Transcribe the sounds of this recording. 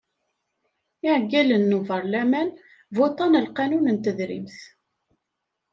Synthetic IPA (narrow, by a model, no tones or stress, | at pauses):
ɪʕɡːælənːuvəɾˤlæmæn | vot̪ˤɑnəlqɑnunənt̪əðɾḭmθ